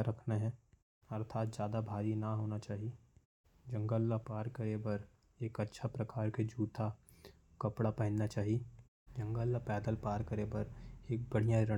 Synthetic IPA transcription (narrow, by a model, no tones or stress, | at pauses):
ɾɐkʰnaɦɛ̃ː | ɐɾt̪ʰaːt̪̚d͡ʒjaːd̪abʱaːɾinaɦoːnat͡ʃaːɦie | d͡ʒɐ̃ŋɡəlːapaːɾkɐɾebɐɾ | eːkɐtːʃʰapɾɐkaːɾked͡ʒʱuːt̪ʰa | kɐpɽapɛɦɪnnat͡ʃaːɦie | d͡ʒɐ̃ŋɡəlːapɛːd̪əlpaːɾkəɾebəɾeːk̚bɐɽ̤ijaɾɐ